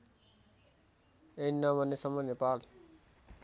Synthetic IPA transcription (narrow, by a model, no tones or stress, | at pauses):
enːʌbʱʌnːesʌmunepal